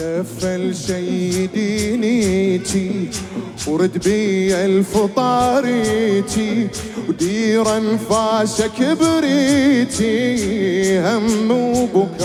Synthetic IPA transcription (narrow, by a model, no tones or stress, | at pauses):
afalʃajd̪iːnit̪i | wɾɪd̪biʕɪlfɨt̪ˤɑːɾit̪ʰi | wd̪iːɾanfaːʃakɪbɾit̪i | hamːubʊ